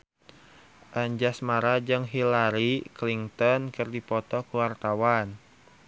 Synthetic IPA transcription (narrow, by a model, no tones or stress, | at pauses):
ʔaɲd͡ʒasmaɾad͡ʒɨŋɦilaɾikliŋt̪ɔnkɨrdipɔt̪ɔkuwart̪awan